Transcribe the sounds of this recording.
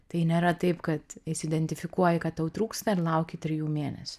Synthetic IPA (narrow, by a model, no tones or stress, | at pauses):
t̪ɐɪnʲeːɾɐt̪ɐɪpkɐt̪ɪsɪd̪ʲɛnʲt̪ʲɪfʲɪkuɔjɪkɐt̪jɐʊt̪ɾuːkst̪ɐɪɾlˠɐʊkʲɪt̪ʲɾʲɪjuːmʲeːnʲɛ̰sʲʊ̥